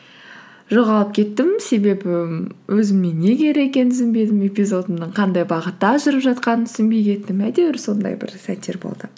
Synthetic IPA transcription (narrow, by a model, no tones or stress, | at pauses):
ʒo̞ʁɑlˠəp̚kʲʰe̞t̪ːɪmse̞be̞bɪwʔɵzɪmːe̞nːe̞ɡʲe̞ɾe̞kʲe̞nʰʏzɪnbe̞jd̪ɪme̞pijzo̞d̪əmnəɴqʰɑnd̪ɑjbɑʁət̪ːɑʒəɾəpʒɑt̪̚qɑnənt̪ʰʏ̥sɪnbe̞jkʲʰe̞t̪ːɪmæd̪e̞wɪɾso̞nd̪ɑ̰jbɪ̰ɾsæt̪ːe̞ɾbo̰lˠd̪ə